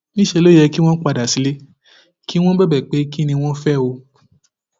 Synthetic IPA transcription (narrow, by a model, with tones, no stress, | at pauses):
nĩ˦ʃɛ˧lo˦jɛ˧ki˦w̃ɔ̃˦n̩˦k͡pa˧da˨si˨˦le˦ | ki˦w̃ɔ̃˦bɛ˦bɛ˨k͡pe˨˦ki˦nĩ˧w̃ɔ̃˦fɛ˦˨o˧